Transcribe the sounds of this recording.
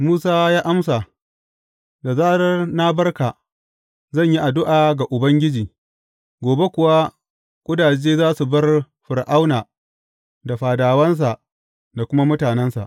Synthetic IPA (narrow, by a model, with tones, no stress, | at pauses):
muː˦saː˦jaː˦ʔa˦msa˨ | da˨zaː˦ɾɐ˦rna˦bɐ˦rka˨ | zɐ˦˨ɲji˦ʔa˨dʊ˦ʔaː˨ɡa˨ʔʊ˨bɐ˦ŋɡʲɪ˦d͡ʒiː˨ | ɡʷoː˨be˦kʷʊ˨wa˦ | kʷʼʊ˦daː˨d͡ʒeː˦zaː˦su˨bɐ˦r | ɸʊ˨ɾʔa˦wnaː˨ | da˨ɸaː˨daː˨wɐ˦ns̬a˨ʔ | da˨kʷʊ˦ma˦mʊ˦taː˨nɛ˦nsa̰˨ʔ